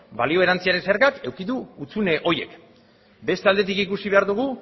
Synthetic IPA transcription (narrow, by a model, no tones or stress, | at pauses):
balio̞e̞ɾant͡siaɾe̞nseɾɣake̞wkit̪uut͡sune̞ʔo̞je̞̰k | be̞st̪eald̪e̞t̪ikikusiβe̞aɾðuɣ̞u